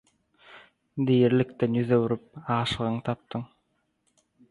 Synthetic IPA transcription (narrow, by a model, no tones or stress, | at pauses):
d̪ijɾlikt̪enjyðøwuɾyp̚ɑːʃɯʁɯɴt̪ʰɑp̚t̪ɯɴ